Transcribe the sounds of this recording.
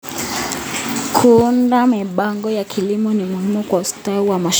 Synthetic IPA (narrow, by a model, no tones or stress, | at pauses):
kʰuundamiɓaŋɡɔjakʰilimɔnimuhimukwaustauwamaʃ